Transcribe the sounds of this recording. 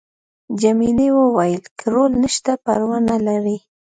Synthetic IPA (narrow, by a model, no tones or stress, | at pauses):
d͡ʒaminewəwajəlkʰəɾolnəʃt̪apaɾwanalaɾi